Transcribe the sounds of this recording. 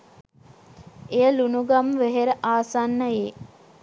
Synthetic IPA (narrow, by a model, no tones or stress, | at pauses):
ejəlunuɡamʋeɦeɾəʔaːsanːəjeː